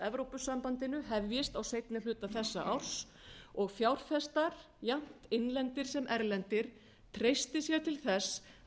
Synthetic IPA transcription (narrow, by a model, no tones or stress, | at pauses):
ɛvɾowpʏsampant̪ɪnʏhɛvːjɪst̪awsejt̪nɪlʏːt̪aθɛsːa̰ʔawr̥s | ɔɣfjawr̥fɛst̪aɾ̥ | jam̥t̪ɪnlɛnt̪ɪɾ̥sɛmʔɛɾlɛnt̪ɪɾ̥ | t̪ʰɾejst̪ɪsjɛɾt̪ʰɪlθɛs